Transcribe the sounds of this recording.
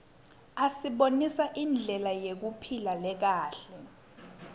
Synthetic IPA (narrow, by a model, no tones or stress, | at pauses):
asiɓonisaʔind͡ɮʱɛlajek̬upʰilalɛk̬aːɬɛ